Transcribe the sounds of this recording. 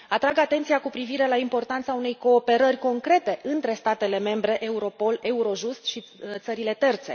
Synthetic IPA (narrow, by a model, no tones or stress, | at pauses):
at̪ɾaɡat̪e̞nt̪sijakupɾiviɾe̞laimpo̞rt̪ant̪saune̞jko̞ːpe̞ɾərʲko̞ŋkɾe̞t̪e̞ʔɨnt̪ɾe̞st̪at̪e̞le̞me̞mbɾe̞ʔeuɾo̞po̞le̞uɾo̞ʒust̪ʃit̪səɾile̞t̪e̞rt̪se̞̰